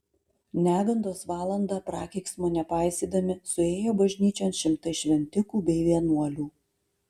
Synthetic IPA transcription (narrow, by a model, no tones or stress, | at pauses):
nʲæːɡɐnd̪oːsʋɑːlˠɐnd̪ɑːpɾɑːkʲɛɪksmoːnʲɛpɑˑɪsʲiːd̪ɐmʲɪsʊeːjoːbɐʒʲnʲiːt͡ʃʲoːnʃʲɪmt̪ɐɪʃʲʋʲɛnʲt̪ʲɪkuːbʲɛɪʋʲiɛnuɔlʲuː